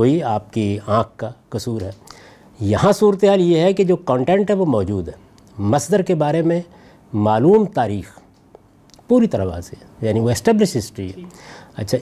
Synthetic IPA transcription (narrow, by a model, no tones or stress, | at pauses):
oːiaːp̚kiãːk̚ʰkakɐsuːɾɦɛ | jɐɦãsuːɾət̪eɦaːljeɦɛked͡ʒoːkɔ̃ːɳʈẽːɳʈɦɛʋomɔːd͡ʒuːd̪ɦɛ | mɐsd̪əɾkebaːɾemẽ | maːluːmt̪aːɾiːx | puːɾit̪ɐɾaʋa̰ːzejaːniʋoɪsʈɛːblɪʃɦɪsʈɾiɦɛɐ̰tːʃʰa